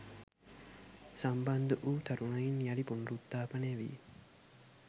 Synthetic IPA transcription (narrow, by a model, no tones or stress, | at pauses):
sambɐnd̪uʔuːt̪ʰɐɾunɐjinjɐlipunrut̪ːaːpɐneʋḭ